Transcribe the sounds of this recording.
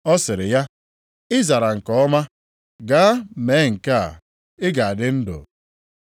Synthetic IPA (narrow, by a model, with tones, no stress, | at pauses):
ɔ˦sɪ˨ɾɪ˨ja˦ | ɪ˦za˨ɾa˨ŋ̩˨kɔ˨˦ɔ˦ma˦ | ɡaː˦me˨˦˨ŋ̩˨ka˦a̰˨ | ɪ˦ɡa˨a˨dɪ˦n̩˦dʊ̰˨